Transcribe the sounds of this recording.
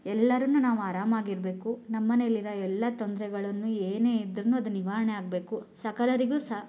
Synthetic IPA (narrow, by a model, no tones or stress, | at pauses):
ɛlːɐɾɐnːunaːʋuaːɾaːmaːɡiɾbe̞ːkunɐmːɐnelːiɾɐɛlːɐt̪ond̪ɾɛɡɐɭɐnːueːne̞ːid̪ɾɐnːuɐd̪uniʋaːɾɐɳeaːɡ̚be̞ːkusɐkɐlɐɾiɡuːsɐ